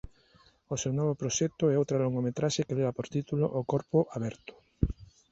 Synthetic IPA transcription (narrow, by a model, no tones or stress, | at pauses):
osewnɔβ̞opɾoʃɛk̚t̪oɛowt̪ɾaloŋɡomet̪ɾaʃekeleβapoɾt̪it̪ulo̰ʔokɔɾpoʔaβɛɾt̪ʊ̥